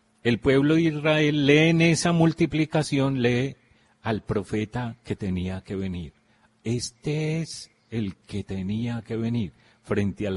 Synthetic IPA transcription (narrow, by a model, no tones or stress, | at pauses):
e̞lpwe̞βloðeisrae̞lːe̞ːne̞samult̪iplikasjo̞nle̞ | alpɾo̞fe̞t̪ake̞t̪eniake̞βe̞niɾ | e̞st̪ees | e̞lke̞t̪eniake̞βe̞niɾ | fɾe̞nt̪eal